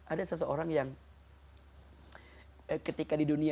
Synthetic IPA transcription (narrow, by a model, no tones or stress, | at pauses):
ʔadasəs̬əoɾaŋjaŋ | kət̪ikadiduni